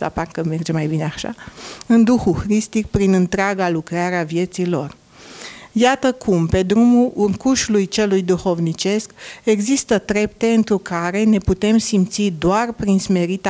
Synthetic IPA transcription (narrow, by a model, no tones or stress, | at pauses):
a̰parkəme̞rd͡ʒemajbineaʃa̰ɨnd̪uxuxɾist̪ik̚pɾinɨnt̪ɾeaɡalukɾeaɾeavje̞t̪silo̞r | jat̪əkʰumpe̞d̪ɾumuʔuŋkuʃulujt͡ʃe̞lujd̪uxo̞vnit͡ʃe̞ske̞ɡzist̪ət̪ɾe̞pt̪e̞ɨnt̪ɾukaɾe̞ne̞put̪e̞msimt̪sid̪oarpɾinsme̞ɾit̪a